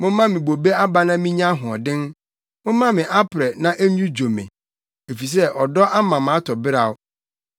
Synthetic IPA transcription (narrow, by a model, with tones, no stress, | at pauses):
mʊ̃˦mã˦mɪ̃˨bo˨be˦a˦ba˨˦nã˦mĩ˦ɲã˦ɦʊ̃˨ɔ˨dɪ̃˦n | mʊ̃˦mã˦mɪ̃˨ʔa˦pʰɾɛ˨nã˦ʔe˦ɲũ˦d͡ʑo˨mɪ̰̃˨ | e˨fi˨s̬ɛ˦ʔɔ˨dɔ˦ʔa˦mã˨m˨a˦tʰɔ˨bɪ˦ɾa˨ʊ˦